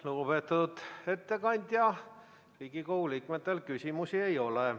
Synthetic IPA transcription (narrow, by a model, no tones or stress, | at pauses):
loːb̥et̪ːud̪e̞t̪ːe̞kɑnʲd̪̥ʲjɑ | riːɡ̥ikowliːkmet̪ːˑe̞lkysʲimusie̞jo̞le